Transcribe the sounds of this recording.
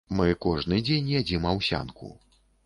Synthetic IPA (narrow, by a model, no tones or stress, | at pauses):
mɨkɔʐnɨd͡zʲenʲjad͡zʲimawsʲa̰nkṵ